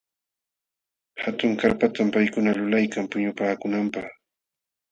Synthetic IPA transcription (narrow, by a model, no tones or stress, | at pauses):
hat̪ʊŋkaɾpat̪ampajkʊnalʊlajkampʊɲʊpaːkʊnampɑχ